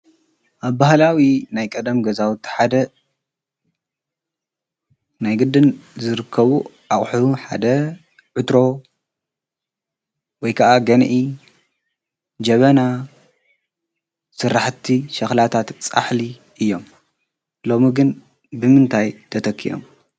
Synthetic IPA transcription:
ʔaβbahlawinajkʼɐd̪ɐmɡɐzawt̪ːi̥ħad̪ɐ | najɡɨd̪ːɨnzɨɾɨkʰːɐβuʔaχʼħuuħa̰d̪ɐ | ʕɨt̪ɾo̞ | wɔjkʰɐʔaɡɐnʔi | d͡ʒɐβɐna | sɨrːaħt̪ʰiʃɐxlat̪ʰat̪t͡sʼa̰ħli | ʔɨjːo̞m | lo̞miɡɨn | bɨmɨnt̪ʰajt̪ʰɐt̪ʰɐkʰːḭʔo̰m

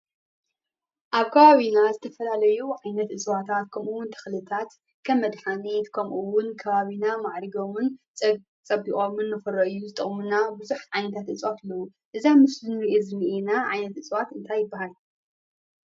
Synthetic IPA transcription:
ʔaβkʰɐβaβinazɨt̪ʰɐfɐlalɐjuʕajnɐt̪ʔɨsʼwat̪ʰat̪̚kʰɐmʔuwʊnt̪ʰɨ̥xlɨt̪ʰat̪ | kʰɐmːɐd̪ħanit̪kʰɐmʔuwʊnkʰɐβaβinamaʕɾiɡomɨnʼ | t͡sʼɐbːiχʼomɨnːɨfɨɾoʔɨjːuzɨt̪ʼɨχʼmɨnːabɨzuħʕajnɐt̪ʰat̪ʔɨt͡sʼwat̪lːɐwu | ʔɨzamɨszɨnɾiʔezɨmiʔenaʕajnɐt̪ʔɨt͡sʼwat̪ɨnt̪ʰajːɪbːahal

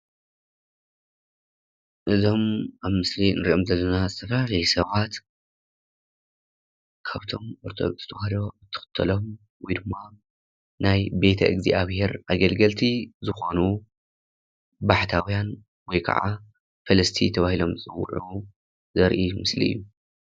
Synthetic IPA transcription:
ʔɨzo̞mʔaβmɨslinɨɾiʔo̞mzɐlːɐnazɨt̪ʰɐflafɐjsɐβat̪ | kʰaβt̪ʰo̞moɾt̪ʰod̪okzɨt̪ʰɐhaɾo̞ɨt̪ʰːɨ̥xɨ̥t̪ʰːɐlo̞m | wɔjd̪ɨmːa | najbe̞t̪ʰɐ̰ʔɨ̰ɡziʔaβhe̞ɾʔaɡɐlɡɐlt̪ʰizɨxo̞nu | baħt̪ʰawijan | wɔjkʰɐ̰ʕa | fɐlɐst̪ʰit̪ʰɐβahilo̞mɨzʼɨwṵʕu | zɐɾʔimɨslḭɨ̰jːu

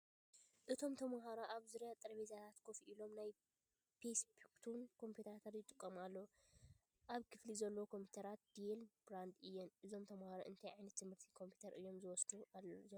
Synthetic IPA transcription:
ʔɨt̪ʰo̞mt̪ʰɐmɦaɾaʔaβzuɾjat̪ʼɨɾɐβezat̪ʰat̪kʰofiʔilo̞mnaj | pʰesbukt̪ʰunkʰo̞mpʰut̪ʰɐɾat̪ʰat̪jɪt̪ʼɨkʼːɐmalːɐ | ʔaβkʰɨflizɐlːɐwkʰo̞mpʰi̥t̪ʰɐɾat̪̚d̪̥ilbɾand̪ɨjːɛnʔɨzo̞mt̪ʰɐmhaɾoʔɨ̰nt̪ʰajʕajnɐt̪ːɨmhɨɾt̪ʰikʰo̞mpʰi̥t̪ʰɐɾʔɨjːo̞mzɨwɔsd̪uaz

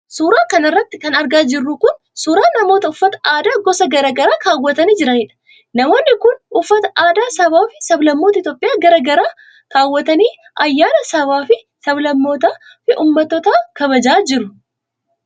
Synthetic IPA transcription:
suːɾaːkɐnɐrːɐt̪ːɪkɐnɐɾɡaːd͡ʒɪrːʊkʊn | suːɾaːnɐmoːt̪ɐʊfːɐt̪ɐ̥aːd̪aːɡɔsɐɡɐɾɐɡɐɾaːkaːwːɐt̪ɐniːd͡ʒɪɾɐniːᶑɐ̥ | nɐmoːnːɪkʊnʊfːɐt̪ɐʔaːd̪aːsɐbaːfɪsɐblɐmːo̞ːt̪ɐɪt̪jo̞ːpʼɪjaːɡɐɾɐɡɐɾaː | kaːwːɐt̪ɐniː | ɐjːaːnɐsɐbaːfɪ | sɐblɐmːo̞ːt̪aː | fɪʔuːmːɐt̪ːɔt̪aːkɐβɐd͡ʒaːd͡ʒɪɾʊ

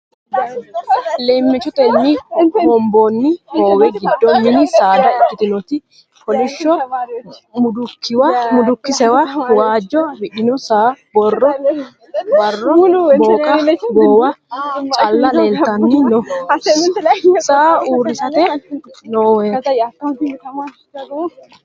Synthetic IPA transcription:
lemːɪt͡ʃːɔt̪ɛnːɪhɔmbonːɪhoːwɛɡɪd̪ːɔmːɪnɪsaːd̪ɐɛkːɪt̪ɪnɔt̪ɪ | kɔlɪʃːɔ | mʊd̪ʊkːɪwɐmʊd̪ʊkːɪsɛwɐʊwaːd͡ʒːɔbɪʔɪnɔsaːbɔrːɔ | bɐrːɔboːkʼɐɡoːwɐt͡ʃʼɐlːɐlɐeːlt̪ɐnːɪnɔ | saːuːɾːɪsɐt̪ɛnoːwɛ

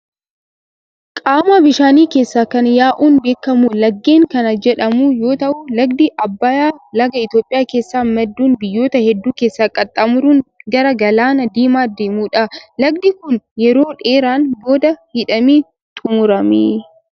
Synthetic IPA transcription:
kʼaːmaːbɪʃaːniːke̞ːsːaːkɐnjaːʔuːnbe̞ːkːɐmulɐɡːe̞ːŋkɐnɐd͡ʒɛᶑɐmuːjo̞ːt̪ɐʔʊlɐɡd̪ɪʔɐbːɐjaːlɐɡɐɪt̪jo̞ːpʼːɪjaːke̞ːsːaːmɛd̪ːuːnbɪjːo̞ːt̪ɐhɛd̪ːuːke̞ːsːaːkʼːɐt̪ʼːɐmʊɾuːnɡɐɾɐɡɐlaːnɐd̪iːmaːd̪e̞ːmuːᶑɐlɐɡ̚d̪ɪkʊnjɛɾo̞ːᶑe̞ːɾaːnbo̞ːd̪ɐhɪᶑɐmiː | t̪ʰʼʊmʊɾɐmeː

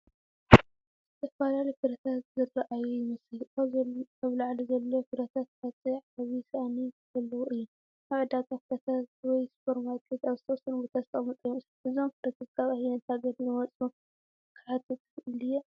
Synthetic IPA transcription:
zɨt̪ʰɐfalalijfɨɾɐt̪ʰat̪zɨrːaʔajujɪmɐslaaβlaʕlizɐlːɐwofɨɾɐt̪ʰat̪̚fat͡sʼiʕaβisanizɐlːɐwuʔɨjːu | aʕɨd̪akʼafɨɾɐt̪ʰat̪̚wɔjspʰoɾmat̪ʼʰet̪aβzɨt̪ʰɐwsɨnɡot̪ʰast̪ʼamɨt͡sʼɨjmɐslʔɨzomfɨd̪ɐt̪ʰat̪t̪ɐβahinɐt̪ʰaɡɐd̪jɪmɐt͡sʼu | kʰɨħat̪ʰɨt̪ʰʼɨxɨʔɨlɨjːo

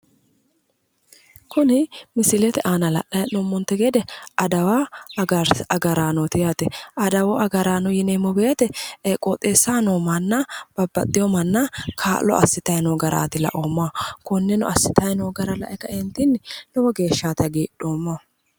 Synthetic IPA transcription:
kʰʊnɪmɪsɪlɛt̪ɛʔaːnɐlɐ̰ʔɐjnɔmːɔnt̪ːɛɡed̪ɛɐd̪ɐwa | ɐɡɐɾaːnɔt̪ɪjaːt̪ɛɐd̪ɐwɔʔɐɡɐɾaːnɔjɪneːmːɔbeːt̪ɛɛkʼːoːt̪ʼeːsːaːnomɐnːɐb̥ɐbːɐt̪ʼːɪjɔmɐnːɐkʰaːlːɔ̰ʔɐ̰sːɪt̪ɐjnɔːɡɐɾa̰ːt̪ɪlɐ̰ʔomːaːkʊnːɛnɔɐsːɪt̪ɐjnɔːɡɐɾɐlɐ̰ʔɛkɐɛnt̪ɪnːɪnɔwɔɡe̞ːʃːaːt̪ɐɡeːɗoːmːa

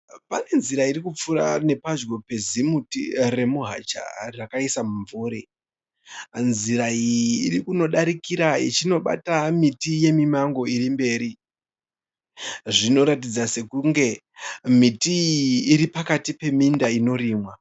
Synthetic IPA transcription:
pane̞nziɾaiɾikup͡fuɾa̰ne̞pad͡ʒɡo̞pe̞zimutḭre̞muɦa̰t͡ʃa̰rakaisamuɱvuːɾi | nziɾaiːɾikuno̞ɗaɾikiɾaḭt͡ʃino̞ɓa̰tamitije̞mimaŋɡo̞iɾimbe̞ːɾi | ʐino̞ɾatid͡zase̞kuŋɡe̞ | mitiːɾipakatipe̞mindaino̞ɾiːmwa

